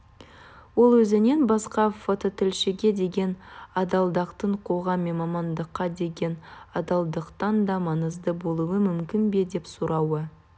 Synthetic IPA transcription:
wo̞lˠwɵzɪnenbɑsqɑfo̞t̪o̞t̪ɪlʃɪɡʲe̞d̪e̞ɡʲe̞nɑd̪ɑlˠd̪ɑqt̪əɴqʰo̞ʁɑmːe̞nmɑmɑnd̪əqːɑd̪e̞ɡʲe̞nɑd̪ɑlˠd̪əqt̪ɑnd̪ɑmɑnəzd̪əbo̞lˠuwəmʏmkʲɪnbe̞d̪e̞psuɾɑwə

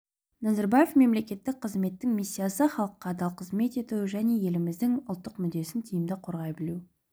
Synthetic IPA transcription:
nɑzeɾbajefme̞mle̞kʲe̞t̪ːɪk̚ʲqʰəzme̞t̪ːɪŋmʲisʲːijasəχɑlˠəqːɑd̪ɑlˠqʰəzme̞t̪e̞t̪uwʒæne̞je̞lɪmɪzd̪ɪŋʊlˠt̪ːəqmʏd̪e̞sɪnt̪ʰijɪmd̪ɪqʰo̞ɾʁɑjbɪluw

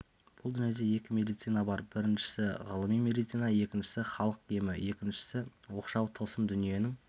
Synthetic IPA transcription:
b̥ʊlˠd̪ʏnije̞d̪e̞je̞kʲɪmʲe̞d̪ijt̪sijnabɑɾbɪɾɪnʃɪ̥sɪʁəlˠəmijmʲe̞d̪ijt̪sijnɑje̞kʲɪnʃɪ̥sɪχɑlˠəqemɪje̞kʲɪnʃɪ̥sɪwo̞qʃɑwt̪ʰəlˠsəmd̪ʏnije̞nɪŋ

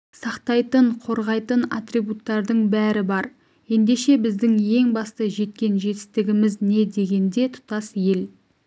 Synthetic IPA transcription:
sɑqt̪ɑjt̪əɴqʰo̞ɾʁɑjt̪ənat̪ribut̪ːɑɾd̪əɴbæɾɪbɑɾ | je̞nd̪e̞ʃe̞bɪzd̪ɪŋje̞ŋbɑst̪əʒe̞t̪̚kʲe̞nʒe̞t̪ɪ̥st̪ɪɡʲɪmɪzne̞d̪e̞ɡʲe̞nd̪e̞t̪ʰʊ̥t̪ɑsje̞l

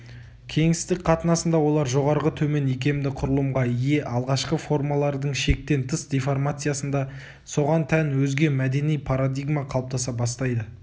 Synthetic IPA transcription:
kʲʰe̞ŋsɪst̪ɪkqʰɑt̪ənɑsənd̪ɑwo̞lˠɑɾʒo̞ʁɑɾʁət̪ʰɵme̞ne̞kʲe̞d̪ɪqʰʊɾəlˠəmʁɑije̞ʔɑlˠʁɑʃqəfo̞rmalˠɑɾd̪əɴʃe̞k̚t̪e̞nt̪ʰəsd̪ʲeformat̪sɨjasənd̪ɑ | so̞ʁɑnt̪ʰænwɵzɡʲe̞mæd̪e̞nijpʰaɾad̪ijɡmaqʰɑlˠəp̚t̪ʰɑsɑbɑst̪ɑjd̪ə

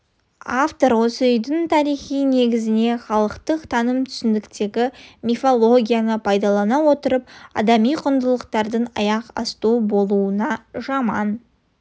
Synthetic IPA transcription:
aft̪o̞ɾwo̞səʏjd̪ɪnt̪ʰɑɾijχijne̞ɡʲɪzɪne̞χɑlˠəqt̪əqt̪ʰɑnəmt̪ʰʏ̥sɪnd̪ɪkt̪e̞ɡʲɪmʲifo̞lˠo̞ɡʲijanəpʰɑjd̪ɑlˠɑnɑwo̞t̪əɾəp̚ɑ̰d̪ɑmijqʰʊnd̪əlˠəqt̪ɑɾd̪ənɑ̰jɑqɑ̰st̪ubo̞lˠuənɑʒɑmɑn

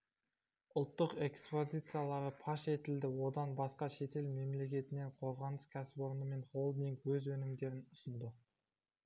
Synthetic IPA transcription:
ʊlˠt̪ːəqe̞kspo̞zʲijt̪sɨjalˠɑɾəpʰɑʃe̞t̪ɪld̪ɪwo̞d̪ɑnbɑsqɑʃe̞t̪e̞lme̞mle̞kʲe̞t̪ɪne̞ɴqʰo̞ɾʁɑnəskʲʰæsɪbo̞ɾənəme̞nχo̞lˠmeŋkʰɵzwɵnɪmd̪e̞ɾɪnʊsənd̪ɪ

